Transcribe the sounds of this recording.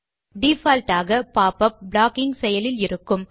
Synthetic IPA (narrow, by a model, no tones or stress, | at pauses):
ɖiːfaːlʈaːɣɐpaːpɐp̚bɭaːkɪŋɡsɛjɐlɪlɪɾɯkːɯm